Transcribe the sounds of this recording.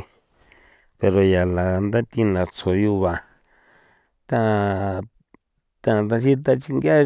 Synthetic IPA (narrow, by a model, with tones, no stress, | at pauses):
pe˧ɾo˨ja˨la˨˧nd̪a˦t̪i˧nã˨t͡sʰo˨ju˧βa˧ | t̪ã˧ | t̪ã˧t̪̬ã˧ʃi˦t̪̬a˧t͡ʃi˧ŋɡa˦